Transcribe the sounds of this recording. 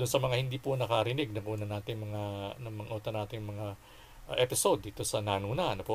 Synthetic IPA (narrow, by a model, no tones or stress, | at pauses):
d̪ʊnsɐmɐŋahɪnd̪iːpʊnɐkɐɾɪnɪɡ̚nɐŋʔuːnɐnaːt̪ɪŋmɐŋanɐŋmɐŋʔoːt̪ɐnːaːt̪ɪŋmɐŋa | ʔʔɛpɪso̞d̪ːiːt̪o̞sɐnaːnuːnɐʔɐnopo